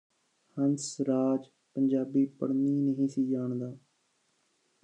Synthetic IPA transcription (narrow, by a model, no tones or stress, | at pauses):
hənsɾaːd͡ʒ | pəɲd͡ʒaːbiːpəɽniːnəɦĩːsiːd͡ʒaːɳd̪aː